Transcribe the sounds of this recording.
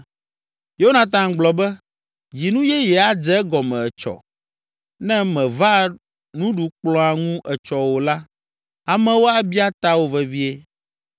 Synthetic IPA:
jo˦o˦nã˨t̪̬ã˨ɡ͡blɔ˨bɛ˦ | d͡ʑi˨nũ˦jɛ˦jɛ˨a˦d͡zɛ˦ɡɔ˨mɛ̃˨ɛ˨t͡ʃɔ̰˨ | nɛ̃˦mɛ̃˨va˦ | nũ˦ɖu˨k͡plɔ̃˦a˨ŋũ˦ʔɛ˨t͡ʃɔ˨wo˨la˦ | a˨mɛ̃˦wo˦a˦bi˦a˦t̪a˦wo˦vɛ˨vi˦e˦

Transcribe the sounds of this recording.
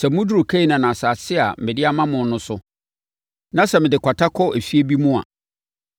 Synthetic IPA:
sɛ˨mʊ̃˦du˦ʊ˨kʰe˦i˨nã˨nã˨sa˨sɪ˦a˨m̩˨mɪ̃˨dɪ˦a˦mã˦mʊ̃˨n˦nʊ̃˦sʊ˦ | nã˦sɛ˨mɪ̃˨dɪ˨kʷʰa˨tʰa˦kʰɔ˦e˨fi˦e˦bi˦mũ˦a̰˨

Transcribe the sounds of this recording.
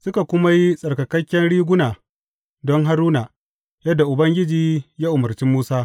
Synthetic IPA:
sʊ˦ka˨kʷʊ˦ma˦ji˦sʼɐ˨rkɐ˨kɐ˦kʲːɛ˦nɽiː˦ɡʷʊ˦naː˨ | dɔ˦ŋɦa˦ɾuː˦naː˨ | jɐ˦dːa˨ʔʊ˨bɐ˦ŋɡʲɪ˦d͡ʒiː˨jaː˦ʔʊ˨mɐ˨rt͡ʃi˦mːuː˦saː˦

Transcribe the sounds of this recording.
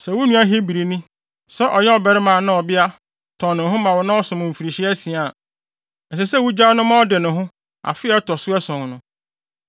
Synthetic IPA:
sɛ˨wʊ˦nũ˦a˦ɦi˦bi˨ɾi˨nĩ˦ | sɛ˦ʔɔ˨jɛ˦ɔ˨bɛ˨ɾɪ˦mã˨nã˦ɔ˨bɪ˦a˦ | tʰɔ̃˨nʊ̃˨ɦʊ̃˦mã˨wɔ˨nã˦ɔ˦sʊ̃˨mʊ̃˨m̩˨fi˨ɾi˨ɕi˦ɛ˦sĩ˨a˨ | ɛ˨s̬ɛ˨sɛ˦˨wʊ˦d͡ʑa˦nʊ̃˦mã˦ɔ˦dɪ˨nʊ̃˨ɦʊ̃˦ | a̰˨fɪ˦ɛ˦tʰɔ˨sʊ˦ɛ˦sɔ̃˨ŋ˨nʊ̃˦

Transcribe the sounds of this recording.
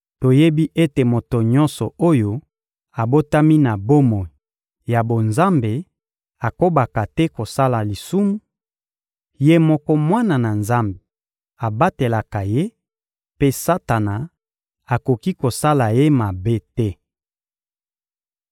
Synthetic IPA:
to˨je˦bi˦ʔe˦te˨mo˨to˨ɲɔ̃˦nsɔ˨o˦jo˦ | a˨bo˦ta˦mi˦na˨bo˦mo˨ | ja˨bo˨nza˦mbe˨ | a˨ko˦ba˨ka˨tɛ˦ko˨sa˦la˨li˨su˦mu˦ | je˦mɔ˦kɔ˦mwa˦na˨na˨nza˦mbe˨ | a˨ba˦te˨la˨ka˨je˦ | pe˦sa˦ta˨na˨ | a˨ko˨ki˦ko˨sa˦la˨je˦ma˨be˦tɛ˦

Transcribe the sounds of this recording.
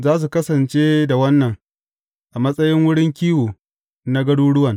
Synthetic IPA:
zaː˦s̬u˨kɐ˦sɐ˨nt͡ʃeː˦da˨wɐ˦nːɐ˨ŋ | ʔa˨mɐ˦sʼɐ˦jɪ˦ŋwʊ˦ɽɪ˦ŋkʲiː˦woː˨ | na˦ɡɐ˦ɽuː˦ɽʊ˦wɐ˨ŋ

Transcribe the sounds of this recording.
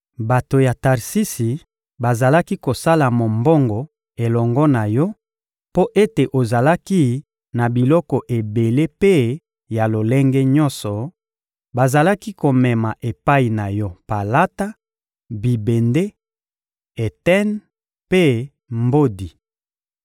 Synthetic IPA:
ba˨to˨ja˨ta˨ʁsi˦si˨ | ba˨za˨la˦ki˦ko˨sa˦la˨mo˨mbɔ˦ŋɡɔ˨ | e˨lɔ˨ŋɡɔ˦na˨jɔ˦ | po˦ʔe˦te˨ʔo˨za˨la˦ki˦ | na˨bi˨lɔ˦kɔ˨ʔe˨be˨le˦pe˦ | ja˨lo˨le˦ŋɡɛ˦ɲɔ˦nsɔ˨ | ba˨za˨la˦ki˦ko˨mɛ˨ma˨ʔe˨pa˦i˨na˨jɔ˦pa˨la˦ta˦ | bi˨be˨nde˦ | e˨tɛ˦n | pe˦ | mbo˦di˨

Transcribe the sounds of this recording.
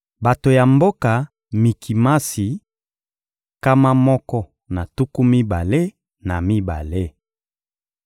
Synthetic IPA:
ba˨to˨ja˨mbo˦ka˨ | mi˨kʰi˨ma˦si˨ | ka˦ma˦mɔ˦kɔ˦ | na˨tu˦ku˦mi˦ba˨le˦ | na˨mi˦ba̰˨le˦

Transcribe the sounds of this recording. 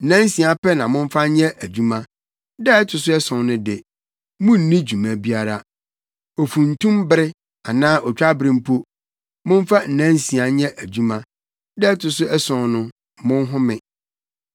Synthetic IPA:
n̩˨nã˦n˦sĩ˨a˦pɛ˦nã˨mʊ̃˦ɱ˦fa˦ɲɛ̃˦ʔæ˨d͡ʑu˦mã˦ | dɛ˦ɛ˦tʰʊ˨sʊ˦ɛ˦sɔ̃˨nnʊ̃˦dɪ˨ | mʊ̃˦n̩˦nĩ˦d͡ʑu˨mã˨bi˦a˨ɾa˦ | o˨fũ˨n̩˨tũ˦mbɪ˦ɾɪ˦ | a˨nãː˦ʔɔ˨t͡ɕᶣa˦bɾĩ˨m̩˦pʰo˦ | mʊ̃˦ɱ˦fa˦n̩˨nɛ̃˦n˦sĩ˨a˨ɲɛ̃˦ʔæ˨d͡ʑu˦mã˦ | dɛ˦ɛ˦tʰʊ˨sʊ˦ɛ˦sɔ̃˨nnʊ̃˦ | mʊ̃˦n˦ɦʊ̃˦mɪ̃˨

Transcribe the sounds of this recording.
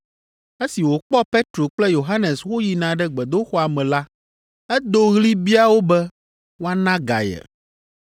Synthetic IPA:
e˦si˨wo˨k͡pɔ˦pe˦t̪ɾo˨k͡plɛ˦jo˨ɦa˦nɛ˨swo˦ji˨nã˨ɖɛ˦ɡ͡bɛ˨d̪o˦xɔ˦a˨mɛ̃˨la˦ | ɛ˦d̪o˦ɣli˦bi˦a˦wo˦bɛ˦ | wo˦a˦nã˦ɡa̰˨jɛ̰˨

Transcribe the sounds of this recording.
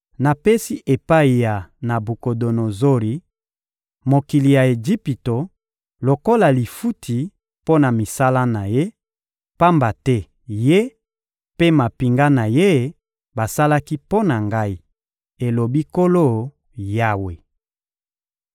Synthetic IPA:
na˨pe˦si˦ʔe˨pa˦i˨ja˨na˨bu˨ko˨do˨no˨zo˦ɾi˨ | mo˨ki˨li˨ja˨e˨d͡ʒi˦pi˨to˨ | lo˨ko˦la˨li˨fu˦tʰi˨ | po˦na˨mi˨sa˦la˦na˨je˦ | pa˦mba˨tɛ˦ | je˦ | pe˦ma˨pi˨ŋɡa˦na˨je˦ | ba˨sa˦la˦ki˦po˦na˨ŋɡa˦i˦ | e˨lo˨bi˦ko˦lo˦˨ | ja˦we˨

